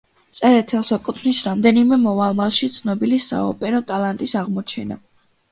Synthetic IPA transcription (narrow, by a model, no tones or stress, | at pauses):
t̪sʼɛɾɛt̪ʰɛlˠsakʼut̪ʰnisɾamd̪ɛnimɛmɔvalˠmalˠʃit̪sʰnɔbilisa̰ɔ̰pʼɛɾɔt̪ʼalˠant̪ʼisaʁmɔt͡ʃʰɛna̰